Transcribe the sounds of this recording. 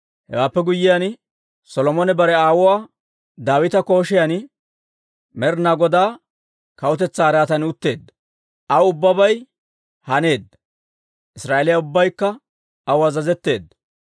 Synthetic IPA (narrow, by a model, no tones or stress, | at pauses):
hɛ̰waːpːɛɡʊjːɪjan | sɔlɔmɔnɛbɐɾɛaːwʊwaː | d̪aːwɪt̪ɐko̞ːʃɪjan | mɛɾnaɡɔd̪aː | kɐwʊt̪ɛt͡sːaːɾaːt̪ɐnʊt̪ːe̞ːd̪ːɐ | ʔɐʊbːɐbɐj | hɐne̞ːd̪ːɐ | ʔɪsɾaːelɪjɐʊbːɐjkːɐ | ɐwazɐzɛt̪ːe̞̰ːd̪ːɐ